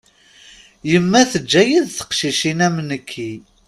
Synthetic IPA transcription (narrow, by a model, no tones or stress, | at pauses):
jəmːæθəd͡ʒːæjiðθə̥qʃiʃinæmnəkʰːi